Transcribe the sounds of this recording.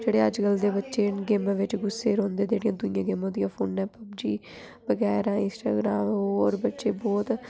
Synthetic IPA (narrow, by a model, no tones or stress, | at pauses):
d͡ʒeːɽeːəd͡ʒɡəld̪eːbətːʃeːnɡeːmãːʋɪt͡ʃɡʊsːeːɾõːnd̪eːd͡ʒeːɽijãːd̪ʊnɪjãːɡeːmõːd̪ijãːpʰoːnɛ̃ːpəbd͡ʒiː | ʋəɡɛːɾãːɪ̃nsʈa̰ːɡɾaːmɦoːɔːɾbətːʃeːbɔːt̪